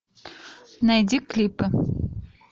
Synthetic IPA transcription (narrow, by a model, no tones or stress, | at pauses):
najd̪ʲiklʲipɘ̆